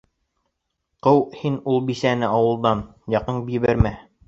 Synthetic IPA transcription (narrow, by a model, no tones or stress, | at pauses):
qɤwhinulˠbisænɘʔɑwɤ̆lˠd̪ɑnjɑqɤɴbiβɘɾmæ